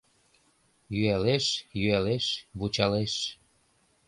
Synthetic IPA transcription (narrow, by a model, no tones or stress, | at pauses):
jyæleʃjyæleʃβut͡ɕɑleʃ